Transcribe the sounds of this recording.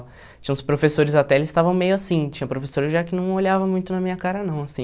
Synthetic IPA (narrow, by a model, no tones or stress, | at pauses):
t͡ʃĩɲɐ̃spɾofesoɾɪzat̪ɛelɪst̪avɐ̃w̃mejʊasĩt͡ʃĩɲɐ̃pɾofesoɾɐʒakɪnɐ̃w̃oʎavɐmũj̃t̪ʊnɐmĩɲɐkaɾɐnɐ̃w̃asĩ